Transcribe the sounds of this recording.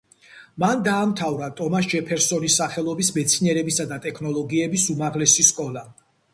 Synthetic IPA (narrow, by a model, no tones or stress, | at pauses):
mand̪aːmt̪ʰavɾat̪ʼɔmas̬d͡ʒɛpʰɛɾsɔnisːaχɛlˠɔbismɛt̪sʰiniɛɾɛbisad̪at̪ʼɛkʰnɔlˠɔɡiɛbisumaʁlɛsiskʼɔla